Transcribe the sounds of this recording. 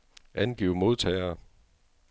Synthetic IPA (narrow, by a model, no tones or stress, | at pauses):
ʔænɡ̥ḭːʊmo̝ð̞ˠt͡sʰɛɪɐː